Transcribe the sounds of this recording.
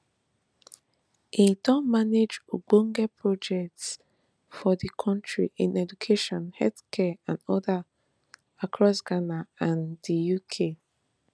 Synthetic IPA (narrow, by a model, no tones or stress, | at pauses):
ʔĩdɔ̃nmaned͡ʒoɡõŋɡɛpʰɹɔd͡ʒɛk̚ts | fɔdikʰɔ̃ntɹḭʔĩnɛd͡ʒukʰeʃɔ̃nhɛlθkʰɛãnɔda | akʰɹɔsɡanaãndijukʰe